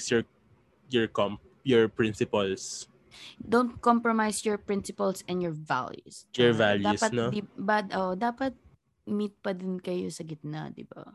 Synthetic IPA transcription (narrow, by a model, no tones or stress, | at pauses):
sjɔɹ | jɔɹkɔm | jɔɹpɹɪ̃nsɪpals | d̪õwnt̪̚kɔmpɹɔmajsjɔɹpɹɪ̃nsɪpɐlsɛ̃njɔɹva̰ljṵsjɔɹvaljd̪aːusɐtnod̪ibad̪ʔoʔd̪aːpɐt̪̚ | mit̪̚pɐd̪ɪnkɐjosɐɡɪt̪̚na̰d̪ɪ̰ba̰